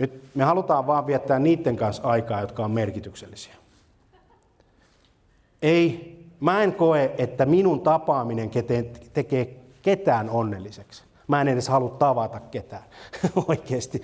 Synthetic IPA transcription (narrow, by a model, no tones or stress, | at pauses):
nyt̪mehɑlut̪ɑːʋʋɑːʋʋiæt̪ːæːnniːt̪ːeŋkɑnsɑikɑːjot̪kɑommerkit̪ykselːisi̥æ̥ | eimæeŋkoeʔet̪ːæminunt̪ɑpɑːmineŋket̪eːt̪ekeː | ket̪æːnonːelːiseks | mæenedeshɑlut̪t̪ɑʋɑt̪ɑkket̪æːnoikeːst̪i